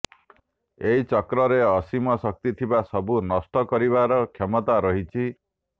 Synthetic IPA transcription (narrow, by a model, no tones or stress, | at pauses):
eɦit͡ʃɔkɾɔɾeɔsimɔsɔk̚t̪it̪ʰibasɔbunɔsʈ̪ɔkɔɾiβaɾɔkʰemɔt̪aɾɔɦit͡ʃʰi